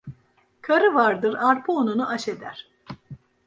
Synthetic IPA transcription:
kʰaɾɯvaɾd̪ɯɾaɾpʰuonunuʔaʃe̞d̪æɾ̥

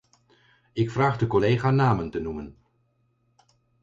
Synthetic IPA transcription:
ɪkfraːχdəkɔlejχaːnaːməntənumən

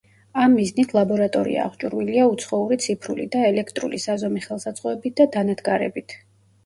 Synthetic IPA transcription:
amːiznit̪ʰlˠabɔɾat̪ʼɔɾḭa̰ːʁt͡ʃʼuɾwiliaut̪sʰχɔuɾit̪sʰipʰɾulḭd̪aɛlɛkʰt̪ʼɾṵlisazɔmiχɛlˠsat̪sʼqʼɔɛbit̪̚d̪ad̪anad̪ɡaɾɛ̰bit̪ʰ

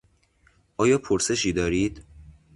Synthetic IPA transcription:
ʔɒːjɒːpʰoɾse̞ʃiːd̪ɒːɾiːd̪̥

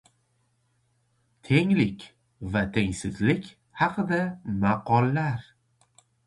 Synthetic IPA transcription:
t̪ʰe̞ŋlɪkʲ | vat̪ʰeŋsɪzlɪkʲ | hɑqʰɨd̪amaqɒlˠːaɾ

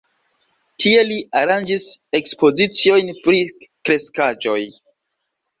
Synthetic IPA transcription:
tʰie̞liaɾand͡ʒise̞kspo̞zit͡sio̞jnpɾikɾe̞skad͡ʒo̞j

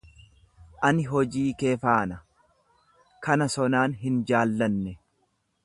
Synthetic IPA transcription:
ʔɐnɪɦɔd͡ʒiːkeːfaːnɐ | kɐnɐsɔnaːnɦɪnd͡ʒaːlːɐnːɛ

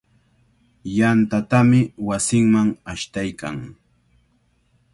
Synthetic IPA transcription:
jant̪at̪amɪwasɪŋmaŋaʃt̪ajka̰ŋ

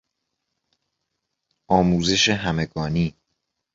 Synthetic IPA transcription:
ʔɒːmuːze̞ʃeɦæmeɡɒːniː

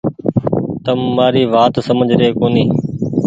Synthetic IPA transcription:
t̪əmːaːɾiːʋaːt̪səməd͡ʒʱɾeːkoːniː

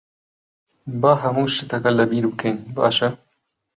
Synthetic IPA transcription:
baːɦɐmuːʃɨt̪ʰɐkɐlɐbiːɾbɨkʰejnbɑ̰ːʃɐ

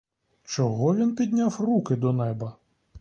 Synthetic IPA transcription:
t͡ʃɔɦɔʋʲinpʲid̪ʲnʲawrukɪd̪ɔnɛbɐ

